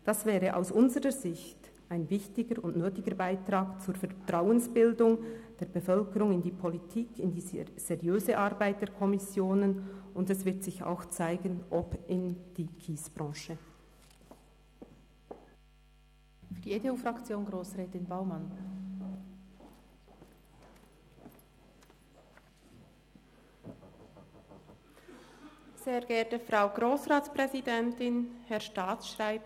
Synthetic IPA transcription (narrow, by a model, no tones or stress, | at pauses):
d̥ɑsvɛːʁəʔa̰ʊsʔʊnzəʁəzɪçt | aɪnvɪçtɪɡəɾʊntnøːtɪɡəɾbaɪtɾaːkt͡suːɾfɛtraʊənsb̥ɪldʊŋd̥eːɐb̥əfœlkəɾʊŋɪndiːpʰɔlitʰiːkʰɪndiːz̥ɛʁjøːzəʔɑɾbaɪt̚d̥eːkʰɔmɪsjoːnənʊndɛsv̥ɪɐtz̥ɪça̰ʊxt͡saɪɡənʔɔpɪnd̥iːkʰiːsb̥ʁɑ̃ːʃə | fyːɐdieteuːfʁɑkt͡sjoːnɡʁoːsʁɛːtɪnbaʊmɑn | z̥eːʁɡːɐtəfʁaʊɡʁoːsʁaːtt͡spʁɛzidɛntɪnhɛɐʃtaːsʃʁaɪp̚